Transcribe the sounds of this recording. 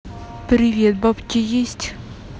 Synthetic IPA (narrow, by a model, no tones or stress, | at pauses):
pɾʲɪvʲet̪̚bapkʲɪjesʲtʲ